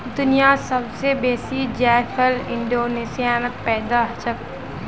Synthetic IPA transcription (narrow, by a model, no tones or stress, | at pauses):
d̪ʊnijasəbsebeːsid͡ʒɛːfʰəlɪ̃ɳɖoːneːsijaːmək̚pɛːd̪aɦt͡ʃək